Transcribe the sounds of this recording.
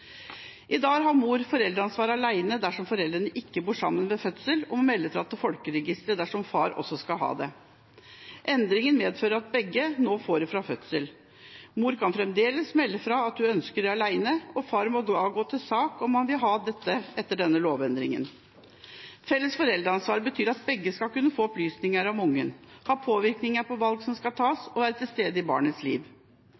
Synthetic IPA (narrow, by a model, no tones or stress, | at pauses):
ʔɪd̪ɑːɡɦɑmuːɾfɔɾɛld̪ɾəɑnsʋɑːɾɑlæɪnəd̪æʂɔmfɔɾɛld̪ɾənəʔɪkːəbuːʂɑ̰mːənmɛfœt̪səlɔmɔmɛlːəfɾɑːɑt̪ːəfɔlkəɾɛɡɪst̪ɾəd̪æʂɔmfɑ̰ːɾɔ̰sːɔskɑlɦɑ̰ːd̪ɛ | ʔɛnd̪ɾɪŋənmeːd̪føːɾəɑt̪̚bɛɡːənoːfoːɾəfɾɑfœt̪səl | muːɾkʰɑnfɾɛmd̪eːləsmɛlːəfɾɑɑt̪̚d̪ʉœnskəɖɛɑlæɪnəɔfɑːɾmod̪ɑːɡoːt̪ʰɪlsɑːkɔmːɑnʋɪlɦɑːd̪ɛt̪ːəʔɛt̪ːəɖɛnːəloːʋɛnd̪ɾɪŋə̰n | fɛlːəsfɔɾɛld̪ɾəɑnsʋɑːɾbət̪ʰyːɾɑt̪̚bɛɡːəskɑlkʉnːəfoːɔplyːsnɪŋəɾɔmʊŋːənhɑːpʰoːʋɪɾknɪŋəpʰɔʋɑlɡsɔmskɑlt̪ʰɑːsɔʋæːɾət̪ʰɪlst̪eːd̪əɪbɑ̰ːɳət̪slḭːʋ